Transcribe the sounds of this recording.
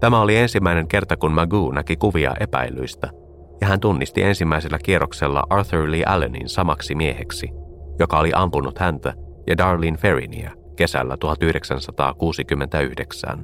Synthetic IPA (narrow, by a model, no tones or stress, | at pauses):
t̪æmæo̞lie̞nsimːæine̞ŋke̞rt̪ɑkunmæɡuːnækikuʋiɑ̰ʔe̞pæ̰ily̰ist̪æ | jɑɦænt̪unːist̪ḭʔe̞nsimːæise̞lːæk̟iero̞kselːɑ̰ʔɑrθuɹliːʔæ̰lenḭnsɑmɑksimie̞heksijo̞kɑoliʔɑmpunut̪hænt̪æ | jɑdɑːrlinfe̞rḭnḭæ̰ | ke̞sæ̰lːæt̪uhɑt̪yhdeksænsɑt̪ɑ̰ːkuːsikymːe̞nt̪æyhdeksæ̰n